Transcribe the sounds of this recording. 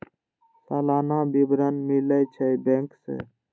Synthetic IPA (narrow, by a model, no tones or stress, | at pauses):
saːlaːnãːbiːbɾənmiːlaːjt͡ʃʰəjbẽːŋksḛː